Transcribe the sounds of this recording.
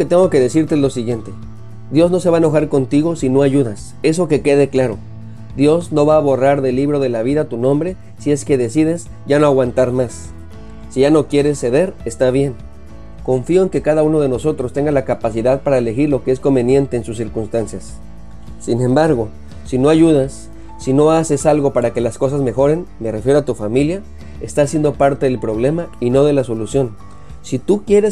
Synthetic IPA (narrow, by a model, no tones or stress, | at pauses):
ket̪e̞ŋɡo̞ke̞ðe̞siɾt̪eezlo̞siɣje̞nt̪e̞ | d̪jo̞zno̞seβaeno̞xaɾko̞nt̪iɣo̞sino̞aʝuðas | e̞s̬o̞ke̞ke̞ðe̞klaɾo̞ | ðjo̞zno̞βaːβo̞raɾðe̞liβɾo̞ðe̞laβ̞iðat̪unõ̞mbɾe̞ | sie̞ske̞ðe̞siðe̞s | ɟ͡ʝano̞aɣwant̪aɾmasː | iʝano̞kje̞ɾe̞sːe̞ðe̞ɾest̪aβje̞ŋ | ko̞ɱfio̞e̞ŋke̞kaðauno̞ð̞e̞no̞so̞t̪ɾo̞st̪e̞ŋɡalakapasiðaðpaɾaele̞xiɾlo̞kee̞sko̞mbe̞nje̞nt̪e̞ːnsusːiɾkunst̪ansjasː | inẽ̞mbaɾɣo̞ | sino̞aʝuð̞asː | ino̞ase̞salɣo̞paɾake̞lasko̞sazme̞xo̞ɾe̞nme̞re̞fjɾo̞at̪ufamilja | est̪as̬jend̪opaɾt̪e̞ðe̞lpɾo̞β̞le̞maino̞ðe̞laso̞lusjo̞n | sit̪ukje̞ɾes